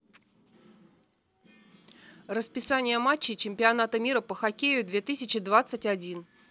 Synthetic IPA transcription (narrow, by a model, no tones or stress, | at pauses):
rəspʲɪsanʲɪjəmat͡ɕːɪt͡ɕɪmʲpʲɪanat̪əmʲiɾəpəxɐkʲejʊd̪vʲe̞t̪ɨsʲɪt͡ɕɪd̪vat̪sɨtʲadʲin